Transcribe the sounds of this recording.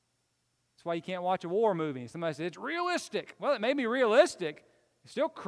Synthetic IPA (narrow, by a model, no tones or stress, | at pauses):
ætswaɪjɨkʰæ̃nʔwɑt͡ʃəwɔɹmʉvɪ̃ŋsʌ̃mbɑɾisɛɨtsɹiəlɪstɪkwɛlˠət̚meɪd̚miɹiəlɪstɪk | ɨtstɪlˠkʰɹ